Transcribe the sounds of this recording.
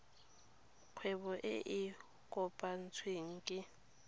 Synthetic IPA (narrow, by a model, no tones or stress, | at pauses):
kʰwɛβɔʔeʔi | kʼɔpʼan̩t͡sʰwiŋ̩kʼɪ